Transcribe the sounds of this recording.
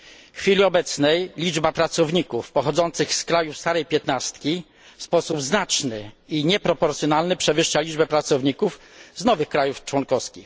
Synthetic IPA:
xfʲilʲiɔbɛt̪snɛjlʲid͡ʐbapɾat̪sɔvɲikufpɔxɔd̪zɔnt̪sɘxskɾajufst̪aɾɛjpʲjɛt̪nast̪kʲi | fspɔsubznat͡ʂnɘiɲɛpɾɔpɔɾt̪sjɔnalnɘpʂɛvɘʂt͡ɕalʲiʐbɛpɾat̪sɔvɲikuf | znɔvɘxkɾajuft͡ʂwɔnkɔskʲix

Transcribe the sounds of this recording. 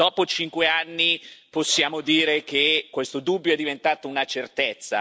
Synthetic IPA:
d̪ɔːpot͡ʃiŋkweanːiposːjaːmod̪iːɾekekːwest̪od̪ubːjoɛd̪ːivent̪aːt̪ounat͡ʃert̪et̪sːa̰

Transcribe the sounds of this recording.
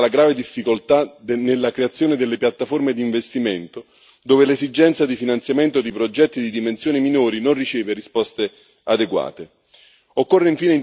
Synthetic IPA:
laɡɾaːved̪ifːikolt̪ad̪nelːakɾeat̪sːjoːned̪elːepjat̪ːaformed̪iːɱvest̪iment̪o | d̪oːvelezid͡ʒɛnt̪sad̪ifinant̪sjament̪od̪ipɾod͡ʒɛt̪ːid̪id̪imensjoːniminoːɾinonrit͡ʃeːverispɔst̪e | ad̪eɡwa̰ːt̪e | okːorːeiɱfiːnei

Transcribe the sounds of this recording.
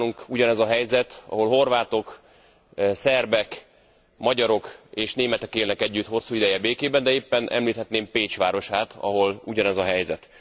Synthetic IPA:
luŋkuɟɒnɛzɒɦɛjzɛt̪ɒ̰ɦo̞lɦo̞rvaːt̪o̞k | sɛrbɛk | mɒɟɒɾo̞keːʃneːmɛt̪ɛkeːlnɛkɛɟːyt̪ho̞sːuːid̪ɛjɛbeːkeːbɛnd̪ɛeːpːɛnʔɛ̰mliːt̪hɛt̪neːmpeːt͡ʃʋaːɾo̞ʃaːt̪ʰɒ̰ɦo̞luɟɒnɛzɒɦɛjzɛt̪

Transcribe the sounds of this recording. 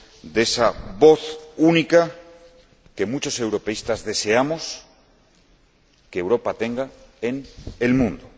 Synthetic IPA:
d̪e̞saβo̞θunika | ke̞mut͡ʃo̞se̞wɾo̞pe̞ist̪azðe̞se̞amo̞s | keːwɾo̞pat̪e̞ŋɡae̞ne̞lmũnd̪o

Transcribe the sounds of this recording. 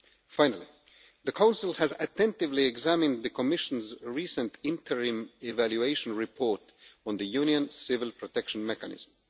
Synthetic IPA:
fãɪ̃nəlˠi | ðəkʰãʊ̃nsɪl̩ˠhæzɨtɛ̃ntɪvliɛɡzæmɨ̃nd̪ðɨkʰɔmɪʃə̃nzɹiːsə̃ntɪ̃ntʰəɹĩmɪvæljueɪʃə̃nɹɪpʰɔɹt | ɔ̃nðɨjũnjə̃nsɪvɪlˠpʰɹɔtʰɛkʃə̃nmɛkənɪ̰z̥m̩

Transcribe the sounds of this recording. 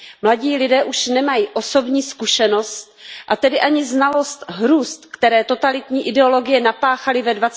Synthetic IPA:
mlaɟiːlɪdɛːʔuʃnɛmajiːʔo̞so̞bɲiːskuʃɛno̞st̪̚ʔat̪ɛdɪʔaɲɪznalo̞st̪ɦɾuːst̪kt̪ɛɾɛːt̪o̞t̪alɪt̪ɲiːʔɪdɛo̞lo̞ɡɪjɛnapaːxalɪvɛdvat͡s

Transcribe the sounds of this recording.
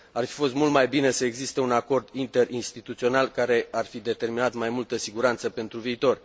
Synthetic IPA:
arfi̥fo̞st̪mult̪majbine̞səe̞ɡzist̪e̞unako̞rd̪int̪e̞rʔinst̪it̪ut̪sio̞nalkaɾe̞arfid̪e̞t̪e̞rminat̪majmult̪əsiɡuɾant̪səpe̞nt̪ɾuviːt̪o̞r

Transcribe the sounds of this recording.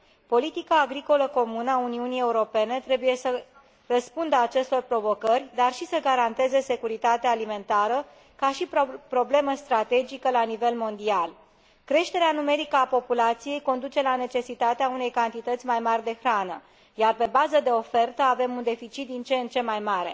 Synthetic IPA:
po̞lit̪ikaːɡɾiko̞ləko̞munəauniunije̞uɾo̞pe̞ne̞t̪ɾe̞buje̞sə | rəspund̪əat͡ʃe̞st̪o̞rpɾo̞vo̞kərʲd̪arʃisəɡaɾant̪e̞ze̞se̞kuɾit̪at̪eaːlime̞nt̪aɾə | kaʃippɾo̞ble̞məst̪ɾat̪e̞d͡ʒikəlanive̞lmo̞nd̪ial | kɾe̞ʃt̪e̞ɾeanume̞ɾikəapo̞pulat̪sije̞jko̞nd̪ut͡ʃe̞lane̞t͡ʃe̞sit̪at̪eaune̞jkant̪it̪ət̪sʲmajmarʲd̪e̞xɾanə̰ | jarpe̞bazəd̪e̞o̞fe̞rt̪əave̞mund̪e̞fit͡ʃit̪̚d̪int͡ʃent͡ʃe̞majmaɾe̞̰

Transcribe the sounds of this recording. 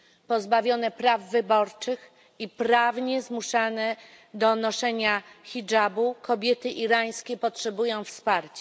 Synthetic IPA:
pɔzbavʲjɔnɛpɾavːɘbɔɾt͡ʂɘx | ipɾavɲɛzmuʂanɛ | d̪ɔnɔʂɛɲaxʲid͡ʐabukɔbʲjɛt̪ɘʔiɾaj̃skʲɛpɔtʂɛbujɔ̃w̃fspaɾt͡ɕɛ

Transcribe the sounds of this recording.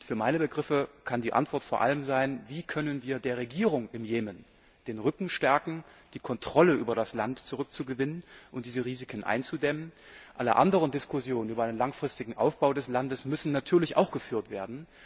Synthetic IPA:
ʊtfyːɐmaɪnəbəɡʁɪfəkʰandiːʔa̰ntv̥ɔɐtfoːɐʔa̰ləmzaɪnviːkʰœnənviːɐdeːɐʁ̞eɡiːʁʊŋʔɪmjeːmən | d̥eːnʁʏkŋ̩ʃtɛɐkŋ̩d̥iːkʰɔntʁ̥ɔləʔyːbɐɾaslantt͡suʁʏk̚t͡suɡəvɪnənʔʊntd̥iːzəʁiːzɪkʰənʔa̰ɪnt͡sudɛmən | ʔalə̰ʔa̰ndəʁəndɪskʊsjoːnənʔyːbɐaɪnənlaŋfʁ̥ɪstɪɡŋ̩ʔa̰ʊfb̥aʊdɛslandəsmʏsn̩natʰyːɐlɪçʔa̰ʊxɡ̥əfyːɐtv̥eːɐdn̩

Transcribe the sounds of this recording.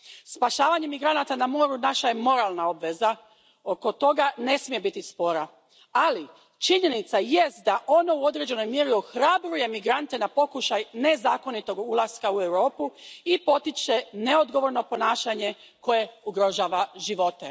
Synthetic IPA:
spaʃaːʋaɲe̞miɡɾanat̪anamo̞ːɾunaʃaje̞mo̞ɾalˠnao̞bʋe̞za | oko̞t̪o̞ɡane̞smije̞bit̪ispo̞ɾa | ali | t͡ʃiɲe̞nit̪sajest̪̚d̪aʔo̞no̞uo̞d̪ɾed͡ʑe̞no̞jmjeːɾioxɾabɾuje̞miɡɾant̪e̞napo̞kuʃajne̞zaːko̞nit̪o̞ɡulˠaskaue̞wɾo̞ːpuipo̞t̪it͡ʃene̞o̞d̪ɡo̞ʋo̞ɾno̞po̞naːʃaɲe̞ | ko̞je̞uɡɾo̞ʒaːʋaʒiʋo̞t̪e

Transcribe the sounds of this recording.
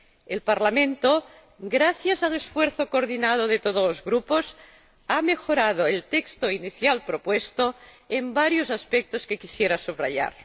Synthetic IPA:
elpaɾlamẽnt̪o | ɡɾaθjazalesfweɾθokoɾðinað̞oð̞et̪oð̞olozɣɾupos | amexoɾað̞oelt̪ekst̪oiniθjalpɾopwest̪o | embaɾjozaspek̚t̪oskekisjeɾasuβra̰ʎa̰ɾ

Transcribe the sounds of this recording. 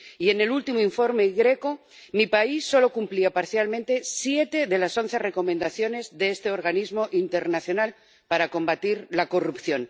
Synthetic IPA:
ie̞ne̞lult̪imoiɱfo̞ɾme̞ɣɾe̞ko | mipaisːo̞lo̞kumpliapaɾθjalmẽnt̪e̞sje̞t̪eðe̞laso̞n̟θere̞ko̞mẽnd̪aθjo̞ne̞zðeest̪e̞o̞ɾɣanizmo̞ʔint̪e̞ɾnaθjo̞nal | paɾako̞mbat̪iɾlako̞rupθjo̞n

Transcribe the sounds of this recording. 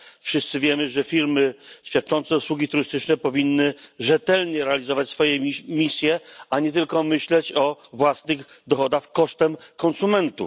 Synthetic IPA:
fʂɘst̪sɘvʲjɛmɘʐɛfʲiɾmɘɕfʲjat̪̚t͡ʂɔnt̪sɛuswuɡʲit̪uɾɘst̪ɘt͡ʂnɛpɔvʲinːɘʐɛt̪ɛlɲɛɾɛalʲizɔvat͡ɕsfɔjɛmʲisʲjɛaɲɛt̪ɘlkɔmɘɕlɛt͡ɕɔvwasnɘx | d̪ɔxɔd̪axkɔʂt̪ɛmkɔnsumɛnt̪ṵ

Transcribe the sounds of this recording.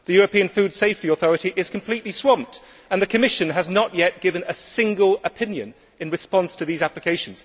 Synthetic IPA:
ðɨjɔɹɨpĩə̃nfʉd̥seɪftiɔθɔɹɨɾiʔɪz̥kʰə̃m̩pʰl̥iʔliswɑ̃mp̚t | ə̃nðɨkʰɨmɪʃɨ̃nəznəʔjɛt̚ɡ̥ɪvə̃nəsɪ̃ŋɡəlˠəpʰɪ̃njɨ̰̃n | ɨ̃nɹɨspɑ̃nstʰɨðizæplɨkʰeɪʃə̃n̩z̥

